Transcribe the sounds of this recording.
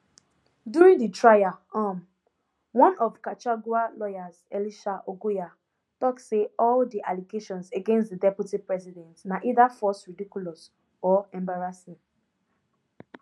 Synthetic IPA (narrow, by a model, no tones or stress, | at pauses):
duɾĩŋditɹajaam̩ | wɔ̃nɔvkat͡ʃaɡualɔjazḛliʃaʔoɡuja | tɔkseɔldiʔaliɡeʃɔ̃nzeɡẽnstdidɛpjutipɹɛzidɛ̃ntnaʔidafɔsɹidikjulɔs | ɔɛ̃mbaɹasi